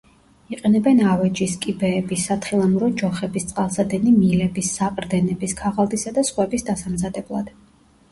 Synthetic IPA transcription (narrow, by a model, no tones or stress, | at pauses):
iqʼɛnɛbɛnavɛd͡ʒiskʼibɛːbisːat̪ʰχilˠamuɾɔd͡ʒɔχɛbist̪sʼqʼalˠsad̪ɛnimilɛbisːaqʼɾd̪ɛnɛbiskʰaʁalˠd̪isad̪asχwɛbisd̪asamzad̪ɛblˠa̰d̪̥